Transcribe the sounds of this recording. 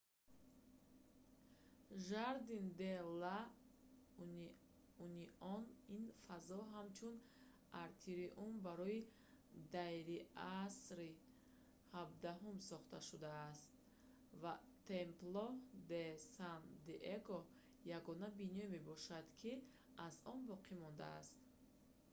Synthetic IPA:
ʒaɾd̪ind̪ela | uniʔɔninfazɔɦamt͡ʃʰun | ʔaɾt̪ʰiɾiʔumbaɾɔi | d̪ajɾiasɾi | habd̪aɦumsɔχt̪aʃud̪aːst̪̚ | va | t̪ʰemplɔd̪esand̪eʔeɡɔ | jaɡɔnabinɔme̞bɔʃad̪̥kʰi | ʔazɔnbɔqʰimɔnd̪a̰ːst̪

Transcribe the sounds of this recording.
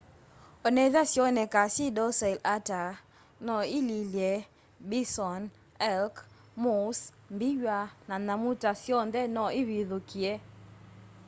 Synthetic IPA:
onɛzasjonɛkasidɔsɛlata | nɔɪlilje | bisɔn | ɛlk | mus | mbijananamutasjɔnd̪ɛnɔɪwiðokie

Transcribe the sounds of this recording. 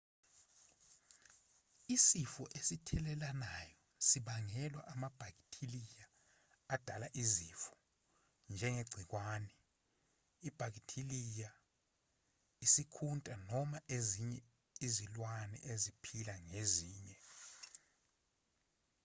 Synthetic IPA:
isifɔʔesitʰɛlɛlanajɔ | siɓaŋɛlwa̰ʔamab̥ʱak̬ʼitʰilijaː | d̥ʱalaʔizifɔ̥ | nd͡ʒʱɛŋeɡ͡ǀʱik̬waːnɛ | ib̥ʱak̬itʰilija | isikʰuntʼanɔmaʔeziɲɛ | izilwanɛ̰ʔezipʰilaŋeziːɲɛ

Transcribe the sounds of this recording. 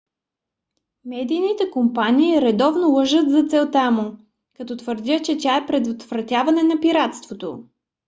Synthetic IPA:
mɛd̪ijnit̪ɛkompaniːɾɛd̪ɔvnolˠɤʒət̪zɐt̪sɛlˠt̪amʊ | kɐt̪ɔt̪vəɾd̪ʲjət͡ʃɛt̪ʲaɛpɾɛd̪vot̪vɾɐt̪ʲjavɐnɛnɐpiɾat̪st̪vot̪o

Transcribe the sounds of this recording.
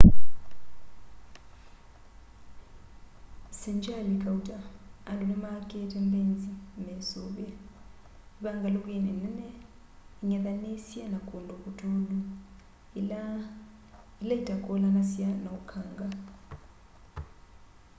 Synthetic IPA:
sɛnd͡ʒʼalikʼautʼaːnlulɛmakʼɛtʰʼɛmbend͡zʱimɛsɔːɓɛ | iɓaŋɡalok̬ʼenɛnɛnɛ | iɲɛt̪anesianakʼondʱokʼutʼʰolu | ilaidʱʼakʼɔlanasijanaukʰaːŋɡa

